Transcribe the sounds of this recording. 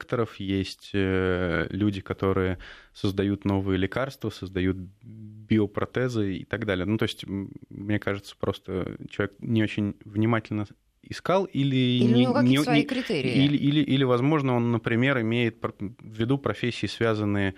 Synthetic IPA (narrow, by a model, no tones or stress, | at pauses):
kt̪əɾəfjesʲtʲəlʲudʲɪkɐt̪o̞ɾɨjəsəzd̪ɐjut̪no̞vɨjəlʲɪkarst̪vəsəzd̪ɐjut̪̚bʲɪopɾɐt̪ɛzɨḭt̪ɐɡd̪alʲɪjənut̪o̞ɪsʲtʲmnʲe̞kaʐɨt̪sə̥pɾʔo̞st̪ə̰t͡ɕɪlˠɐvʲeknʲɪo̞t͡ɕɪnʲvnʲɪmatʲɪlʲnə | ɪskalˠilʲɪɪɪkɾʲɪt̪eɾʲɪiilʲɪʔilʲɪʔilʲɪvɐzmo̞ʐnəo̞nːəpɾʲɪmʲeɾɪmʲejɪt̪̚pvʲːɪd̪upɾɐfʲesʲːɪːsvʲazənːɨjə